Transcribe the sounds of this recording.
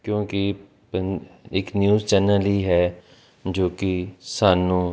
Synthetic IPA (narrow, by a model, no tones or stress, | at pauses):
kjõːki | pəɪknjuːzt͡ʃɛːnəliɦɛː | d͡ʒoːkisaːnũː